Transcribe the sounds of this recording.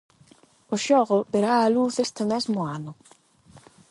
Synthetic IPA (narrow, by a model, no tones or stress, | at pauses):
ʊʃɔɣʊbeɾaːluθest̪ɪmɛzmʊanʊ